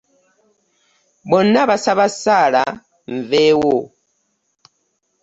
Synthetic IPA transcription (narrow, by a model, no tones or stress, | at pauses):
bɔnaβasaβasaɺa̰ | ɱvewo